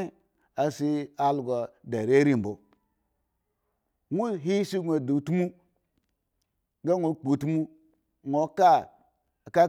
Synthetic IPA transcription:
a˨si˦a˨lɡo˨da˨ɾe˦ɾi˦m̩˨bo˨ | ŋʷu˦ɦi˦si˦ɡʷe˨du˨tmu˦ | ɡa˦ŋʷo˦k͡pu˨tu˦mu˦ | ŋʷo˨ka˦˨ | ka˦

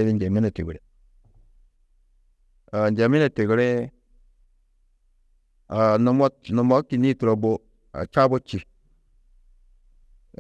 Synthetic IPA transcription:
e˦βi˦nd͡ʒe˨mi˦ne˨tḛ˨ɡɾḛ˨ | a˨nd͡ʒe˨mi˦ne˨te˨ɡɾe˦ | a˨no˨mo˦tno˨mo˦ki˨ni˦tu˨ɾo˨bo˦ | a̰˨t͡ʃa˦bo˦t͡ʃi˨

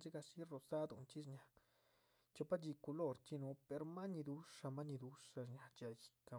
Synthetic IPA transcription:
d͡ʒi˦ɡa˧si˦ro˧sa˦d̪ṵ˧nt͡ʃi˦ʂɲa˧ | t͡ʃo˧pa˦t͡ʃi˧ku˧lo˦ɾt͡ʃi˦no˧˦pe˧ɾma˦ni˧d̪u˧˦ʂa˧ma˦ɲi˧d̪u˦ʂa˧ʂɲa˧t͡ʃa˧˨ji̥˧ka˨

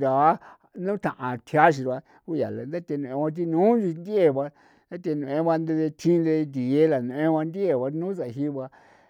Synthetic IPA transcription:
d̪a˨˦ | nũ˦t̪ã˨ʔã˨t̪ʰja˦ʃ̬i˧ɾa˧ | ku˦ja̰˨la˨nd̪a˦t̪ʲe˧nũ˧ẽ˧a˧t̪̬i˧nũː˦d͡ʒi˧nd̪e˨βa˧ | nd̪a˦t̪e˧nũ˧˨ẽ˧˦βa˧nd̪e˧e˧t̪ʰĩ˦nd̪e˧nd̪i˨e˦la˨nũ˨˧ʔẽ˦βa˧nd̪i˦e˨βa˧nũ˦s̬a˨˧ɦi˦βa˧

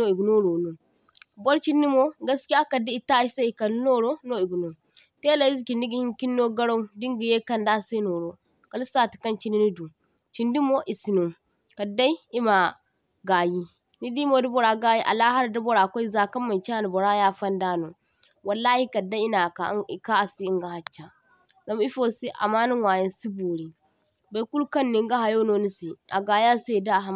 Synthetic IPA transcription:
no˦i˨ɡno˦ɾo˨nu˨ | bo˦ɾt͡ʃi˦nːi˦mo˦ɡɐ˦ski˦ja˦kɐ˨di˦i˨ta˦i˦sa˦i˨kɐ˨lno˦ɾo˦no˦i˨ɡno˨ | te˦la˨i˦zki˨ndi˦ɡi˨hi˦ŋki˦nːo˦ɡɐ˦ɽa˦wdi˦ŋɡi˨je˦kɐ˦nda˦se˦no˨ɾo˦ | ka˨li˦sa˨ti̥˨kɐ˦nt͡ʃi˦ni˦ni˦du˨ | t͡ʃi˨ndi˦mo˦ʔi˨si˨no˨ | ka˨da˦i˦i˦ma˨ | ɡaː˨ji˦ | ni˦di˦mo˦du˦bo˨ɾa˨ɡa˦ji˦ʔa̰˨la˦ha˦ɾda˦bo˨ɾa˨kʷa˦i˦za˨kɐ˦mːa˨t͡ʃa˦ni˨bɔ˨ɾa˦ja˦fɐ˦ndaː˦no˨ | wɐ˨lːaː˦hi˦kɐ˨da˦i˦na˨ka˨˦i˨ka˦a˨si˦i˦ŋɡa˨ha˨t͡ʃːa˨ | za˦m˦i˦fo˦si˦ʔa̰˨maː˦nu˦wa˨jɐ˦nsi˦bu˨ɾi˨ | ba˨˦ku˦lkɐ˦nːi˦ŋɡa˦ɦa˨jo˦no˦ni˦si˨ʔa̰˨ɡaː˨ja˦se˦˨da˦˨ɦa˨˦˨

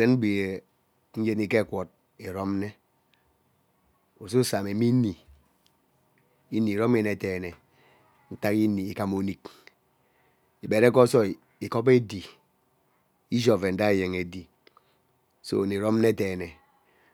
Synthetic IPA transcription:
e˨nm̩˦bi˨e˨ | n̩˦je˦ni˦ke˦˨kwɔ˨t̚ | e˨ɾo˦m˦ne˦ | u˨su˦sa˨me˨mi˦ni˨ | i˦ni˨ɾo˦m˦e˨ne˨teː˨ne˨ | n̩˦ta˦ki˦ni˨i˦ka˦mo˨˦ni˦k | i˨be˨ɾe˦kɔ˦sɔ˦˨ | i˨ko˦p̬e˦di˨ | i˦d͡ʒo˨ve˨n̩˦da˦e˨je˨ŋe˨di˨ | so̰˦˨ni˨ɾo˦m˦ne˦teː˨ne˨

